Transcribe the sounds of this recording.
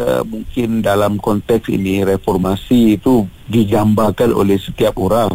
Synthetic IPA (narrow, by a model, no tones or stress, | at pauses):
a̰muŋkɪndalamkɔnt̪ɛksḭniɾefɔrmasiːt̪u | diɡambarkano̰lɛhsət̪iapoɾaŋ